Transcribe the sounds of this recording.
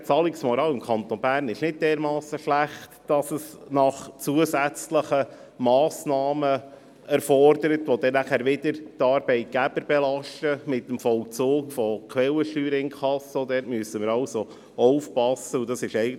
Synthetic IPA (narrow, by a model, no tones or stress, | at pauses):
t͡sɑːlɪksmɔɾɑːwɪmkʰɑnt̪onbæːɾnɪʃnɪt̚d̥ɛːɾmɑːsəʃlæχtd̥ɑsəsnɑχt͡suəsæt͡sləχə | mɑːsnɑːmə | æɾfɔrd̥əɾət̪ʋod̥̪ɛnæχæːɾʋɪdəɾtɑːɾb̥ɛɪt̪̚ɡ̥æb̥əɾb̥ɛlɑʃtəmɪtːəmfɔlt͡suːkfɔkʰwɛləʃtyːɾɪŋkʰɑsəɔd̪ɛːɾtmyəsəmɪɾɑwso | ɔʊfpɑsəudɑsɪʃɛɪɡə